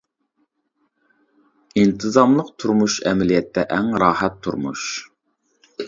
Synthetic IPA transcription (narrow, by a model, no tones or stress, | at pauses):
int̪ʰɨzɑmlˠəqt̪ʰuɾmuʃɛmɛlijɛt̪ʰːɛʔɛŋɾɑːhɛt̪ʰːṵɾmṵʃ